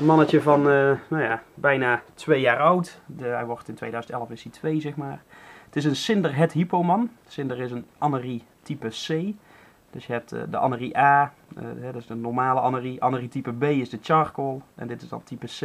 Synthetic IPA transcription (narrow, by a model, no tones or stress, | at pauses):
mɑnət͡ʃəvɑnənawjabɛjnaːtʋejaːrɑwtɦɛjʋɔrtɪntʋejdœɥzəntɛləfɪsitʋejzɛχmaːrətɪs̬ənsɪndərɦɛtɦipowmɑnsɪndərɪsənʔɑnəritipəsej | d̥øsjəɦɛp̚tdəʔɑ̰nəriʔa̰ː | ɦɛdəsdənɔɹmaːləʔɑnəriʔɑnəritipəbejɪzdət͡ʃɑɹkolˠʔɛ̰ndɪtɪzdɑ̰ntipəs